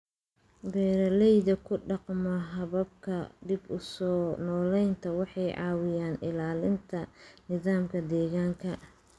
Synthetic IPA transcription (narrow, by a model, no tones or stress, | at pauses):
bɛːɾɐlɛjðɐkʰʊɖɑqmɐɦɐβɐb̚kʰɐd̪ɪbʊsɔːnɔːlɛjnt̪ʰɐwɑħɑjʕɑ̰ːwɪjaːnɪlaːlɪnt̪ʰɐnɪðaːmkʰɐd̪ɛːɣaːŋkʰɐ